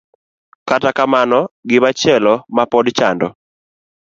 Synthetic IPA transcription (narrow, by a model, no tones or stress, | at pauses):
katakamanɔɡɪβat͡ʃɛlɔmapɔdt͡ʃandɔ